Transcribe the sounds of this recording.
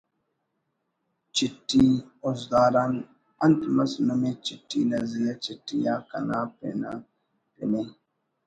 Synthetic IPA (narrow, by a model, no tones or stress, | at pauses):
t͡ʃitːiɔzdaɾan | antimasnomet͡ʃitːinazilat͡ʃitːijakanapɛ̰na̰ | ɾḛmen